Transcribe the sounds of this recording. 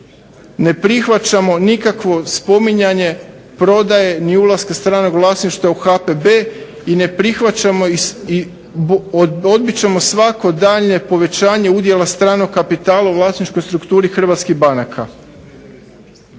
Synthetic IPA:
ne̞pɾixʋat͡ɕamo̞nikakʋo̞spo̞miɲaɲe̞ | pɾo̞d̪aje̞niulˠaskast̪ɾaːno̞ɡʋlˠaːsniʃt̪auxapebe̞ː | ine̞pɾixʋat͡ɕamoii | od̪̚bit͡ɕemo̞sʋako̞d̪aʎɲe̞po̞ʋe̞t͡ɕaːɲe̞ud̪jelˠast̪ɾaːno̞ɡːapit̪aːlauʋlˠaːsnit͡ʃko̞jst̪ɾukt̪uːɾixr̩ʋat̪skiɦbanakʰa

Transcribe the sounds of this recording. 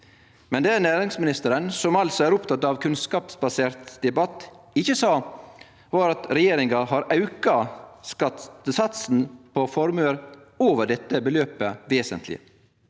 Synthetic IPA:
mɛnd̪enæːɾɪŋsmɪnɪst̪əɾənsɔmɑlsɔæːɾʊpt̪ʰɑt̪ːɑʋkʰʉnskɑːpsbɑseːɾt̪d̪ɛbɑt̪ | ɪçəsɑː | ʋɑːɾɑt̪ɾɛjeːɾɪŋɑhɑɾɑʉkɑskɑt̪t̪əsɑt̪sn̩pʰɔfɔɾmʉəɾoːʋəɖɛt̪ːəbəløːpəʋeːsə̰nt̪ʰlɪ̰

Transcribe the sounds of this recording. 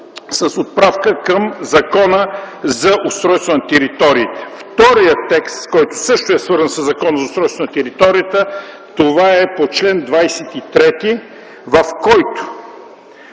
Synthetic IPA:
səsot̪̚pɾafkəkəmzɐkɔnə | zɐʔʊst̪ɾɔjst̪vɐnt̪ɛɾit̪ɔɾiət̪əft̪ɔɾijət̪ːɛkst̪kɔjt̪ʊ̥sɤʃt̪oɛsvɤɾzənsəzːɐkɔnəzɐoʊst̪ɾɔjst̪vənət̪ɛɾit̪ɔɾiət̪ə | t̪ovaɛpot͡ʃlɛnd̪vajsɛt̪it̪ɾɛt̪i | vɐfkɔjt̪ʊ̥

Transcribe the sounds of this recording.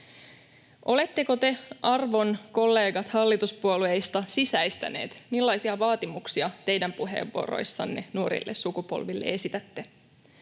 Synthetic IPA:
ʔo̞le̞t̪ːeko̞t̪e̞ʔɑrʋo̞nko̞lːe̞ːɡɑt̪hɑlːit̪uspuoluejst̪ɑsisæjst̪æ̰ne̞̰ːt̪milːɑjsiɑʋɑːt̪imuksiɑt̪e̞jdæmpuɦḛːʋːuo̰ro̰jsːɑ̰nːenuoɾḭlːessukupo̰lʋilːḛe̞sit̪æt̪ːe

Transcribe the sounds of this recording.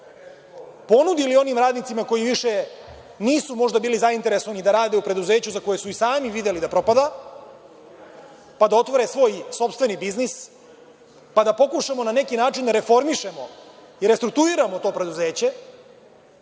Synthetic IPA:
po̞nud̪ilio̞nimɾaːd̪nit̪simako̞jiʋiʃe | niːsumo̞ʐd̪abiːlizaint̪e̞ɾeso̞ʋanid̪aɾaːd̪e̞upɾe̞d̪uze̞ːt͡ɕuzako̞jesuisaːmiʋid̪e̞lid̪apɾo̞pad̪a | pad̪ao̞t̪ʋoɾesʋo̞ːjso̞pst̪vʋe̞nibiznis | pad̪apo̞kuʃamo̞nane̞kinaːt͡ʃind̪aɾe̞fo̞ɾmiʃemo̞ | iɾest̪ɾuk̚t̪uiɾamot̪o̞ːpɾe̞d̪uzeːt͡ɕe̞

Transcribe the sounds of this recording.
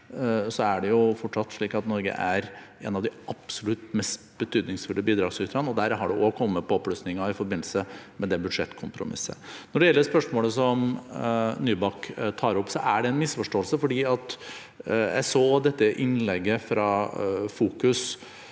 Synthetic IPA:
sɔæɖɛjʊfɔʈʂɑt̪ːʂɭiːkɑt̪nɔɾɡə̰ʔæɾḛːnɑʋd̪ɪɑpsʊlʉt̪mɛst̪b̥ət̪ʰyːd̪nɪŋsfʉld̪əbiːd̪ɾɑːɡsʏt̪ɾɑnɔd̪æɾɦɑɖɛʔoːkʰɔmːəpʰɔɔpːløsnɪŋɑɪfɔɾbɪnːl̩səmɛd̪ɛbʉd̪ʂɛt̪ːkʰʊmpɾʊmɪ̰sːə̰nɔɖɛjɛlːəɾspœʂmoːləsɔm | nyːbɑkt̪ʰɑːɾɔpːsɔʔæɖɛɛnmɪsfɔʂʈoːəlsəfɔɖiːɑt̪ | jæ̰ɪsoːd̪ɛt̪ːəʔɪnlɛɡːəfɾɑfuːkʉs

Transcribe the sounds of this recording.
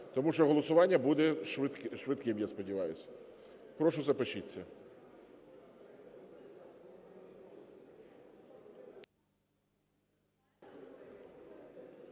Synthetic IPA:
t̪ɔmuʃt͡ʃɔɦɔlˠɔsʊʋɑnʲːɐbud̪ɛʃʋ̪ʃʋɪt̪kɪmjaspɔdʲɪʋɑjʊsʲɐ | pɾɔʃʊzɐpɐt͡ʃit͡sʲːɐ

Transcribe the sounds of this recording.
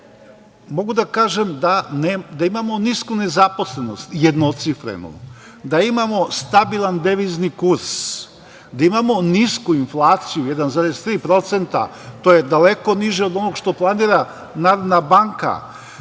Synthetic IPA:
mo̞ɡud̪akaːʒemd̪aned̪aimamo̞niskune̞zapo̞sleno̞̰st̪jed̪not̪sifɾḛnṵ | d̪aimamo̞st̪abilˠand̪eʋiznikuɾs | d̪aimamo̞niskuinflˠaːt̪sijujed̪anzaɾest̪ɾiːpɾo̞t̪se̞nt̪a̰t̪ojed̪aleko̞niʒeo̞d̪o̞no̞ɡʃt̪o̞plˠaniːɾa | naːɾod̪nabaŋka̰

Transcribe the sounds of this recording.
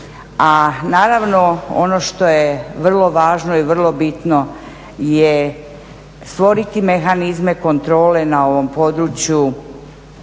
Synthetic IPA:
anaːɾaʋno̞o̞̰no̞ʃt̪o̞jeʋr̩lˠo̞ʋaːʒnoiʋr̩lˠo̞bit̪no | je | st̪ʋo̞ɾit̪ime̞xanizme̞ko̞nt̪ɾo̞ːle̞nao̞ʋo̞mpo̞d̪ɾut͡ɕju

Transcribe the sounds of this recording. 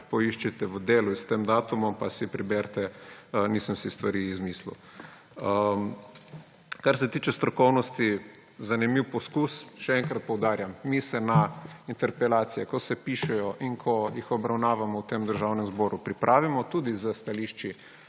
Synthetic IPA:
pɔiʃt͡ʃit̪ɛʋəd̪eːluist̪eːmd̪aːt̪umɔmpasipɾibɛɾt̪ɛniːsəmsist̪ʋaɾizmiːslṵ | ə | kaɾsɛt̪iːt͡ʃɛst̪ɾɔkɔwnɔst̪i | zanimiwpɔskusʃɛɛŋkɾat̪̚pɔwd̪aːɾjamːisɛnaint̪ɛɾpɛlaːt̪sijɛkɔsɛpiːʃɛjɔʔiŋkʰɔjixɔbɾawnaːʋamɔwt̪emd̪əɾʒawnɛmzbɔːɾupɾipɾʔaːʋimɔt̪uːd̪izəst̪aliʃt͡ʃi

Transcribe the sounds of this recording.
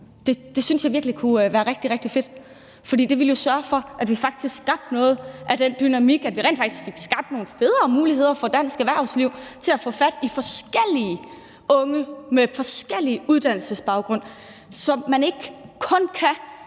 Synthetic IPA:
d̥e̝d̥e̝synsjɑ̈ʋiɐɡ̥likʰuʋæːɐʁeɡ̥̚d̥iʁɛɡ̥̚d̥ife̝d̥ | fɒ̽d̥ḭːd̥e̝ʋeljo̝sɶɐfɒ̽ʔæd̥ʋifɑ̈ɡ̥̚d̥isɡ̥sɡ̥ɑ̈b̥̚d̥nɔ̽ːð̞̩ˠʔæd̥end̥ynæmiɡ̥æd̥ʋiʁɛḛːn̥fɑɡ̥i̥sɡ̥fe̝ɡ̥sɡ̥ɑ̈b̥̚d̥no̝ːn̩fe̝ð̞ˠʁɐmuːliɦe̝ð̞̰ˠɐfɒ̽d̥æn̰sɡ̥əʋæɐ̰sliʊ̰t͡sʰe̝læfɔ̰̽ːfæd̥ifɒ̽sɡ̥el̰i | ʔɔ̽ŋəmefɒ̽sɡ̥el̰iuð̞ˠd̥æn̰l̩səsb̥ɑ̈ʊɡ̥ʁɔ̽n̰ | sɒ̽mːæne̝ɡ̥kʰɔ̽nkʰæ

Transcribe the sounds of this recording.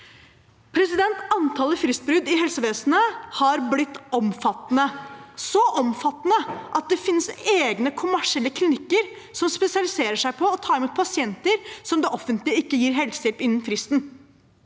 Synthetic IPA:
pʰɾɛsɪd̪ɛnt̪ɑnt̪ʰɑːlːəfɾɪst̪̚bɾʉd̪ɪɦɛlsəʋeːsnəhɑɾblɪt̪ːɔmfɑt̪ːnəsɔʔɔmfɑt̪ːnəʔɑt̪̚d̪ɛfɪnːseːɡnəkʰʊmæʂɪɛlːəkʰlɪnɪkːəɾ | sɔmspɛsɪɑlɪseːɾəʂæɪpʰɔɔt̪ʰɑːɾɪmuːt̪̚pʰɑsɪɛnt̪əɾsɔmd̪ɛʔɔfːənt̪lɪəɪkːəjiːɾɦɛlsjɛlpɪnːənfɾɪst̪n

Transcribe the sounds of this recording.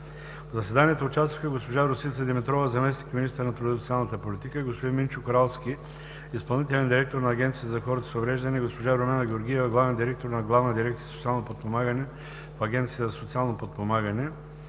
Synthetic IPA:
pzɐsɛd̪aniɛt̪oːt͡ʃast̪vəxəɡospoʒaɾosilʲt̪əd̪ɛmit̪ɾɔvəzɐmɛsnikminist̪əɾnɐt̪ɾot̪sialˠnət̪əpolʲit̪ikəɡospod̪inmint͡ʃʊkɾalˠskʲi | ispɐlˠnit̪ɛlʲɛnd̪iɾɛk̚t̪oɾnɐːɡʲɛnt̪sijət̪zɐxɔɾət̪ə̥sovɾɛʒd̪ɐniɡospoʒaɾomɛnɐɡʲɛoɾɡʲiɛvɡlˠavɛnd̪iɾɛk̚t̪oɾnɐɡlˠavnəd̪iɾɛkt̪iəzsot̪sialˠnopot̪̚pomaɡənɛ | fɐɡʲɛnt̪sijəzɐsot̪sialˠnopot̪̚pomaɡɐnɛ

